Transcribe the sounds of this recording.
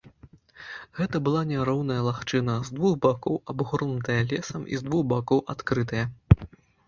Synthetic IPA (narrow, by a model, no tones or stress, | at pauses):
ɣɛt̪ɐbɨlˠanʲɛɾɔwnɐjɐlˠaxt͡ʂɨnɐzd̪vuɣbakɔwabɣurnut̪ɐjɐlʲɛsɐmʔḭzd̪vuɣbakɔwʔat̪kɾɨt̪ɐjɐ